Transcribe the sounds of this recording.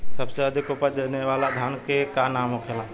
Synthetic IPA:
səbseəd̪ʱikupəɾd̪eneʋalad̪ʱənkekanamõkʰelã

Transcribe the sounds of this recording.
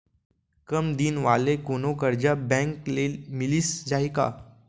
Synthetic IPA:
kəmd̪iːnʋalekonokəɾd͡ʑabɛ̃ŋklelmiliːsd͡zaɦika̰

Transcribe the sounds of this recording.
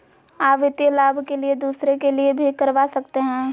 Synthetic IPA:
aːpʋɪt̪jəlaːbʱkelied̪uːsɾekeliebʱikɐɾʋaːsɐkt̪eɦɛ̃ː

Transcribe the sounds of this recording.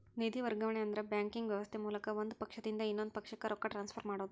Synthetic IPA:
nid̪iʋɐɾɡɐʋɐɳeɐnd̪ɐɾebjaːŋkiŋɡʋjɐʋɐst̪ʰemuːlɐkɐʋond̪upɐkʂɐd̪ind̪ɐinːond̪upɐkʂɐkːeɾʔokːɐʈɾaːnspʰɐɾmaːɽoːd̪u

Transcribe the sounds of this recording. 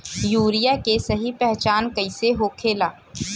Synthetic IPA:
juːɾijakesɐɦipɛɦt͡ʃaːnkɐɪseɦoːkʰeːlaː

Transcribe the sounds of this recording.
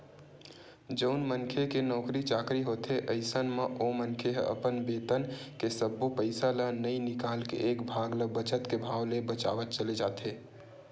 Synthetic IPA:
d͡ʒəʊnmənkʰekenɔːkɾit͡ʃaːkɾiɦoːt̪eʔəɪsənməʔomənkʰeɦə̰pənbeːt̪ənkesəbːupəɪsalənəĩnɪkaːlkḛʔeːkbʱaːɡləbət͡ʃət̪kebʱaːwlebət͡ʃa̰ːʋət̪̚t͡ʃəled͡ʒaːt̪ʰeː

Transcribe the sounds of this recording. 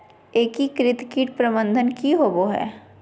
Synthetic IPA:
eːkikɾɪt̪kiːʈ̚pɾəbə̃nd̪ʱənkiɦoboɦɛ̰ː

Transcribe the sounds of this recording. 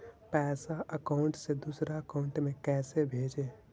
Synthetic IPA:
pɛːsaʔəkaʊ̃ɳʈsed̪usɾaəkaʊ̃ɳʈmẽkɛːsebʱeːd͡ʒe

